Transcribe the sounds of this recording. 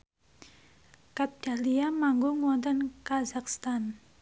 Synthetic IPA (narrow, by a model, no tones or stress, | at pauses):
kap̚d̥a̤liamaŋɡʊŋuwɔnt̪ɔnkazakst̪an